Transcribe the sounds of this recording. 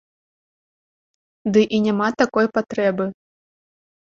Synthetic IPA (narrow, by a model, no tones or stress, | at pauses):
d̪ɨʔinʲamat̪akɔjpat̪ɾɛbɨ